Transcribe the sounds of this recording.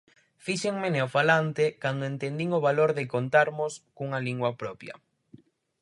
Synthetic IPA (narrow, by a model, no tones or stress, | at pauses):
fiʃeŋmeneofalant̪ɪkand̪oent̪end̪iŋʊβ̞aloɾðɪkont̪aɾmʊskuŋɐliŋɡwɐpɾɔpjɐ̰